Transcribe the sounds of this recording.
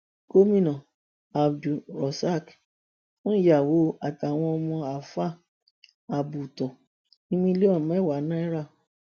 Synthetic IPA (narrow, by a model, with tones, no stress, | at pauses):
ɡo˦mĩ˦nɔ̃˨ | a˨d͡ʒu˨ɾɔ˨sa˦˨k | wɔ̃˦˨ja˨wo˨˦a˨ta˨w̃ɔ̃˧ɔ˧mɔ̃˧a˨fa˦˨ | a˨bu˨tɔ˨ | nĩ˦mĩ˧˦le˦ɔ̃˦˨˦wa˨˦nã˦ɛ˦ɾa˦˨